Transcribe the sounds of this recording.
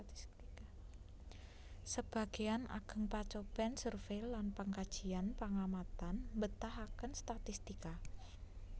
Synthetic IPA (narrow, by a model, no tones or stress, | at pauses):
səb̥a̤ɡ̥iana̰ɡ̥əŋpat͡ʃobɛnsərfelanpəŋkad̥d͡ʒ̥ianpəŋamat̪anmbət̪ahakənst̪at̪ist̪ika